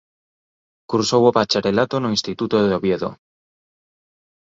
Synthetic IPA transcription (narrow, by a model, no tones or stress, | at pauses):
kuɾsowopat͡ʃaɾelat̪onoĩnst̪it̪ut̪oðoβjeðo̰